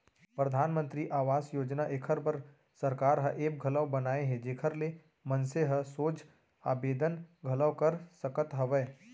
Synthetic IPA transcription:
pɾəd̪ʱaːnmə̃nt̪ɾiʔaːʋaːsjoːd͡ʒnaʔekʰəɾbəɾ | sɐɾkaːɾɦə̃ʔeːp̚ɡʱɐləʋbɐnaːeɦɛd͡ʒeːkʰəɾle | mənseɦəsoːd͡ʒ | a̰ːbeːd̪ənɡʱɐləwkɐɾsəkət̪ɦɐʋɛː

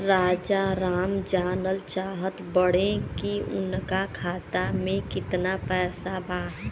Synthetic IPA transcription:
ɾaːd͡ʒaɾaːmd͡ʒaːnəlt͡ʃaːɦət̪bəɽ̤ẽkiʊ̰nkakʰaːt̪amẽkɪt̪napɛːsabʱaː

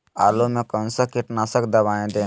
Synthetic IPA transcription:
aːlomẽkə̃nsəkɪʈnasəkd̪ɐʋaːẽd̪e

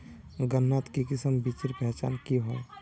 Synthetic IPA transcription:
ɡənːat̪kikɪsəmbit͡ʃɪɾpɛːt͡ʃa̰ːnkiɦo

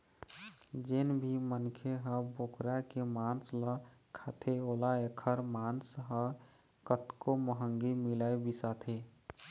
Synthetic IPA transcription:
d͡ʒenbʱimənkʰeɦə̃bokɾakemaːnsləkʰat̪ʰeoːlaekʰəɾmaːnsɦə | kət̪koməɦəŋɡimilaːebisat̪ʰe

